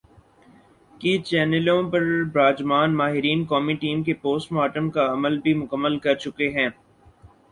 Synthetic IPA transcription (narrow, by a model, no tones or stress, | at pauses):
kit͡ʃɛːnəlõpɐɾbɾaːd͡ʒmaːnmaːɦɪɾiːnkɔːmiʈiːmkepoːsʈmaːʈəmkaɐməlbʱimʊkəmːəlkɐɾt͡ʃʊkeɦɛ̃ː